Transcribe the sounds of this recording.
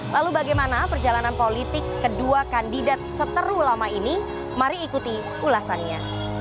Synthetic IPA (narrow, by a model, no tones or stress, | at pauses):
lalubaɡajmanapərd͡ʒalananpolit̪ɪkːəduakandidat̪̚sət̪əɾulamaini | maɾiːkut̪i | ulasanɲa̰